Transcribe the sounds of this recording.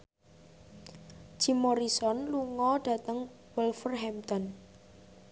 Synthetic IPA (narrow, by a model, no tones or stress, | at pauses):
d͡ʒ̥imɔɾisɔnluŋɔɖ̥a̤t̪əŋ | wəlfərɦɛmt̪ɔn